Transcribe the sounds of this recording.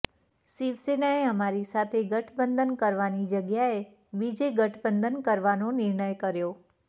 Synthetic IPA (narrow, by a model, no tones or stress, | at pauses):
siʋsenaeəmaɾisat̪ʰeɡəʈʰbənd̪ənkəɾʋanid͡ʒəɡjae | bid͡ʒeɡəʈʰbənd̪ənkəɾʋanonɪɾɳəjkəɾjo